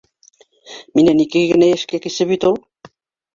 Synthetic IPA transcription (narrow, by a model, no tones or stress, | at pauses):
minenikeɣɘneeʃkekisɘ̆βit̪ulˠ